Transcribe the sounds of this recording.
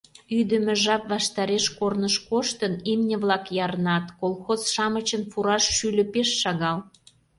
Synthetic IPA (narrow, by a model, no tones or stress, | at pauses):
yd̪ə̆mĕʒɑpβɑʃt̪ɑɾeʃkornəʃkoʃt̪ənimnʲə̆βlɑkjɑɾənɑt̪kolˠxozʃɑmət͡ɕənfuɾɑʃːylʲə̆peʃːɑɣɑl